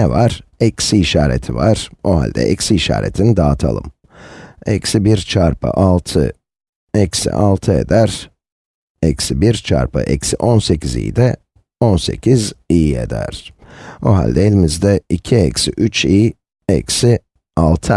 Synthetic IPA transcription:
ɛvaɾɛksiʃaːɾɛt̪ʰɪvaɾoha̰lʲd̪ɛ̰ʔɛksiʃa̰ːɾʔɛt̪ʰɪnd̪aːt̪ʰalˠɯ̰m | ɛksɪbiɾt͡ʃʰaɾpʰa̰ʔɑlˠt̪ʰɯ | ɛksɪ̰ʔɑlˠt̪ʰɯɛ̰d̪æɾ | ɛksɪbiɾt͡ʃʰa̰ɾpʰa̰ʔɛksɪʔɔnsɛkʲizḭːd̪ɛ | ɔnsɛcʲɪziːɛ̰d̪æ̰ɾ̥ | oɦa̰lʲd̪ɛɛlʲɪmɪzd̪ɛɪcʰɪɛksɪʔyt͡ʃiː | ɛksɪ | ɑlˠt̪ʰɯ

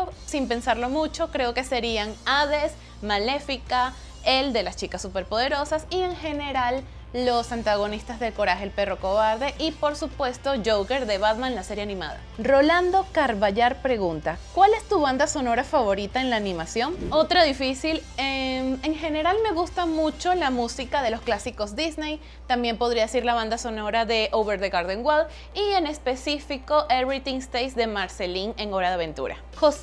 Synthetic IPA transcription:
osimpe̞nsaɾlo̞mut͡ʃo̞kɾe̞o̞ke̞se̞ɾiaŋaðe̞s | male̞fika | eld̪e̞last͡ʃikasːupe̞ɾpo̞ðe̞ɾo̞sasie̞ŋxe̞ne̞ɾalː | o̞sant̪aɣ̞o̞nist̪azðeko̞ɾaxelpe̞ro̞ko̞βaɾðe̞ʔipo̞ɾsupwe̞st̪o̞d͡ʒowke̞ɾðe̞βaðmãnlase̞ɾje̞anĩma̰ða̰ro̞land̪o̞kaɾβaʝaɾpɾe̞ɣunt̪akwale̞st̪uβand̪aso̞no̞ɾafaβo̞ɾit̪aenlaːnĩmasjo̞no̞t̪ɾaðifisilemeŋxe̞ne̞ɾalme̞ɣust̪amut͡ʃo̞lamusikaðe̞lo̞sklasiko̞zd̪iznej | t̪ambje̞mpo̞ðɾiaðesiɾlaβand̪aso̞no̞ɾaðe̞ʔowβeɾðeɣaɾðoŋɡwað | iene̞spe̞sifiko̞ʔeβɾit̪iŋst̪ejsd̪e̞maɾse̞liŋe̞ŋo̞ɾaðeaβẽ̞nt̪ṵɾa̰ | xos

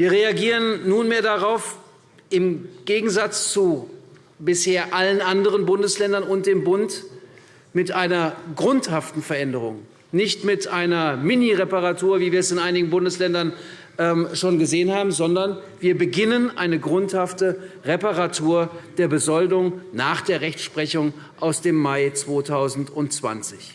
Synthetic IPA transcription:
viːɐʁeaɡiːʁənːuːnmeːɐdaʁaʊf | ʔɪmɡ̥eːɡŋ̩zat͡st͡su | bɪsheːɐʔalənʔandəʁ̞ənbʊndəslɛndɐnʊnt̚d̥eːmbʊnt | mɪtʔaɪnɐɡʁʊnthaftn̩fɛɐʔɛndəʁ̞ʊ̰ŋ | nɪçtmɪtʔaɪnɐmɪniʁɛpaʁatuːɐviːviːɐɛsɪnʔaɪnɪɡŋ̩bʊndəslɛndɐn | ʔɛːmʃoːnɡəzeːənhaːbm̩zɔndɐnviːɐbəɡɪnənʔa̰ɪnəɡʁʊnthaftəʁɛpaʁatʰuːɐd̥eːɐbəzɔldʊŋnaːχd̥eːɐʁɛçʃpʁ̥ɛçʊŋ | ʔaʊsd̥eːmːaɪt͡sv̥oːtʰaʊzn̩tʊntt͡sv̥a̰nt͡sɪç

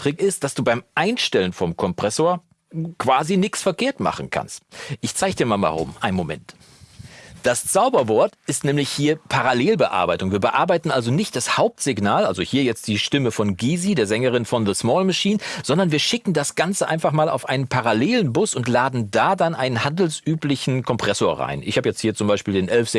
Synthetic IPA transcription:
tʁ̥ɪkɪst̚d̥asd̥uːbaɪmʔaɪnʃtɛlənfɔmkʰɔmpʁ̥ɛsoːɐ | kv̥aːzinɪksfɛɐkʰeːɐtma̰χn̩kʰa̰nstʔɪçt͡saɪɡd̥iːɐmaːlma̰ːʁʊ̰mʔa̰ɪnmomɛ̰nt | d̥ast͡saʊbɐvɔɐtɪstnɛːmlɪçhiːɐpʰaʁaleːlbəʔa̰ɐbaɪtʊŋviːɐbəʔaɐbaɪtn̩ʔalzonɪçt̚d̥ashaʊp̚tz̥ɪɡnaːlʔalzohiːɐjɛt͡st̚d̥iːʃtɪməfɔnɡiːzideːɐzɛŋəʁ̞ɪnfɔnðəsmɔːlmaʃiːnz̥ɔndɐnviːɐʃɪkŋ̩dasɡ̥ant͡səʔa̰ɪnfaχmaːla̰ʊfʔaɪnənpʰaʁaleːlənbʊsʊntlaːdn̩daːdanʔaɪnənhandl̩sʔyːplɪçn̩kʰɔmpʁ̥ɛsoːɐʁa̰ɪnʔɪ̰çhaːbəjɛt͡sthiːɐt͡sʊmbaɪʃpiːldeːnʔɛlfz̥

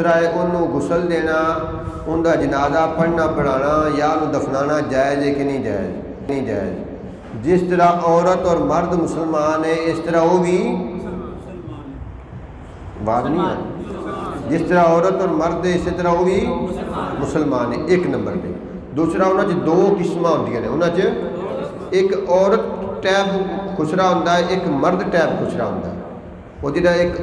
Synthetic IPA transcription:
ɾaːeːʔʊnːũːɡʊsəld̪eːnaː | ʊnd̪aːd͡ʒənaːzaːpəɽnaːpəɽaːnaːjaːnũːd̪əkʰnaːnaːd͡ʒaːed͡ʒeːkɪnĩːd͡ʒa̰ːḛd͡ʒ | nĩːd͡ʒa̰ːɪd͡ʒ | d͡ʒɪst̪əɾaːʔɔːɾət̪ɔːɾməɾd̪mʊsəlmaːneːɪst̪əɾaːoːʋiː | ʋaːd̪nĩːɛ̰ː | d͡ʒɪst̪əɾaːɔːɾət̪ɔːɾməɾd̪ɛːɪseːt̪əɾaːoːʋiː | mʊsəlmaːnɛ̰ːʔɪknəmbəɾd̪ḛː | d̪uːsɾaːʊnãːt͡ʃəd̪oːkɪsmãːɦʊ̃nd̪ijəːnɛ̰̃ːʊnãːt͡ʃə | ɪkɔːɾət̪ʈɛːbkʰʊsɾaːɦʊ̃ːnd̪aːɛʔɪkməɾd̪ʈɛːbkʰʊsɾa̰ːɦʊ̰̃nd̪a̰ːɛ̰ː | oːd͡ʒeːɖaːɪk

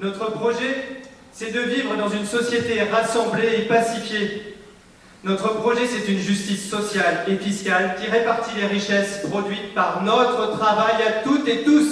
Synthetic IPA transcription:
nɔt̪χəpχɔʒɛ | sɛd̪əvivʁəd̪ɑ̃zynsɔsjet̪eʁasɑ̃bleːpasifje | nɔt̪χəpχɔʒɛsɛt̪ynʒyst̪isːɔsjalefiskʲalkʲiʁepaʁt̪ileʁiʃɛspχɔd̪ɥit̪paʁnɔt̪χət̪χavajat̪ut̪et̪us

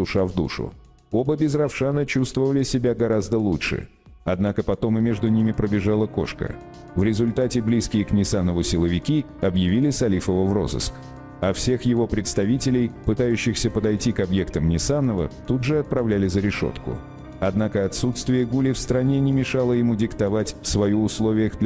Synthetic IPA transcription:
ʊʂavd̪ṵʂʊ̰ | o̞bəbʲɪzrɐfʂanət͡ɕust̪vəvəlʲɪsʲɪbʲaɡɐɾazd̪əlˠutʂɨ̰ | ɐd̪nakəpɐt̪o̞mɨmʲeʐd̪ʊnʲimʲɪpɾəbʲɪʐalˠəko̞̰ʂkə̰ | vɾʲɪzʊlʲt̪atʲɪblʲiskʲɪjəknʲɪsanːəvʊsʲɪlˠəvʲɪkʲi | ɐbjɪvʲilʲɪsɐlʲifəvəvro̞̰zɨ̰sk | ɐfsʲe̞xjɪvo̞pɾʲɪt̪st̪ɐvʲitʲɪlʲɪjpɨt̪ajʉɕːɪxsʲəpəd̪ɐjtʲikɐbje̞kt̪əmnʲɪsanːəvə̰t̪ud̪ʐɨɐt̪̚pɾɐvlʲælʲɪzəɾʲɪʂo̰t̪kʊ̰ | ɐd̪nakəɐt̪sut̪st̪vʲɪjəɡulʲɪfst̪ɾɐnʲe̞nʲɪmʲɪʂalˠəjɪmudʲɪkt̪ɐvatʲfsvɐjuʊslˠo̞vʲɪjəɣd̪lʲ

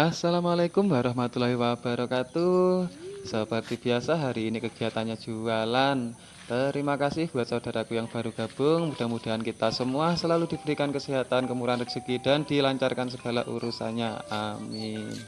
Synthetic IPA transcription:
ʔasalamalekʊmwaɾɔɦmat̪ulaɦiwab̥aɾɔkat̪u | səpərt̪ib̥iasaɦaɾiːnikəɡ̥i̤at̪anɲḁd͡ʒ̥ualan | t̪əɾimakasɪhb̥uat̪saud̥aɾakujaŋb̥a̤ɾuɡ̥a̤b̥ʊŋmud̥a̤mud̥a̤ɦankit̪asəmuasəlalud̥ib̥əɾikankəsiɦat̪ankəmuɾanrə̥d͡ʒ̥əkid̥a̤nd̥ilaɲt͡ʃarkans̬əɡ̥a̤la̰ʔṵɾusa̰nɲaa̰min

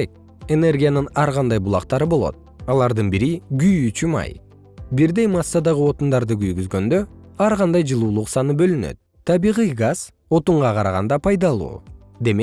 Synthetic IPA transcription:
ek̚ | e̞ne̞rɡʲijanɯnɑɾʁɑnd̪ɑjbulˠɑqt̪ɑɾɯbo̞lˠo̰t̪̚ɑlˠɑɾd̪ɯnbiɾiɡyjyt͡ʃymɑ̰j | biɾd̪e̞jmɑsːad̪ɑʁɯo̞t̪und̪ɑɾd̪ɯɡyjɡyzɡø̞nd̪øɑɾʁɑnd̪ɑjd͡ʒɯlˠuːlˠuqsɑnɯbø̞lynø̰t̪̚ʰːɑbiːʁijɡaz̥ | o̞t̪uɴʁɑqɑɾɑʁɑ̰nd̪ɑpʰɑjd̪ɑlˠṵː | d̪e̞me

